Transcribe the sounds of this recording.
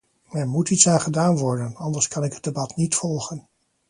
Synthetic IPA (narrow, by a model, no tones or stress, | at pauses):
ɛɹmutitsaːnχədaːnʋɔɹdənɑndəɹskɑnɪkɦəd̚debɑtnitfɔlˠχən